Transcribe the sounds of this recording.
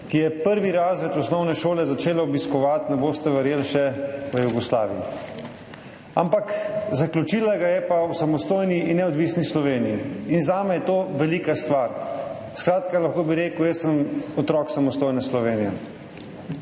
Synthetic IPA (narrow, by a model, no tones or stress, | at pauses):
kijɛpəɾʋiɾaːzɾɛt̪ɔsnɔwnɛʃoːlɛzat͡ʃeːlaɔbiskɔʋat̪nɛboːst̪ɛʋɛɾjeːlʃɛʋəjuɡɔsla̰ːʋijḭ | a̰mpakzaklʲut͡ʃiːlaɡajɛpawsamɔst̪oːjniːnːɛɔd̪ʋiːsnislɔʋeːnijiːnzaːmɛjɛt̪oːʋɛliːkast̪ʋaɾ | skɾaːt̪kalaxkoːbiɾeːkəwjɛsəmɔt̪ɾɔːksamɔst̪oːjnɛslɔʋeːnijɛ̰